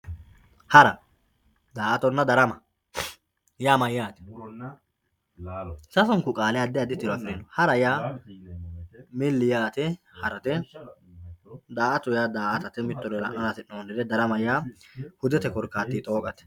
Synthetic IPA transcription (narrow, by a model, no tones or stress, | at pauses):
hɐɾɐ | d̪aːʔɐt̪ɔnːɐd̪ɐɾɐmɐ | jaːmɐjaːt̪ɛ̥ | sɐsɔŋkʊkʼaːlɛjad̪ɪjad̪ɪt̪ːɪɾɔɐkʼɪd̪ɪnːɔhɐɾɐjaː | mɪlːɪjaːt̪ɛ | hɐɾɐt̪ɛ | d̪aːʔɐt̪ʊjad̪aːʔɐt̪ɐt̪ɛmɪt̪ːɔɾɔlɐ̰ʔɐnaːt̪ɪnoːnɪd̪ɛd̪ɐɾɐmɐjaːhʊd̪ɛt̪ɛkɔɾkːaːt̪ːit̪ʼo̞ːkʼɐt̪ɛ̥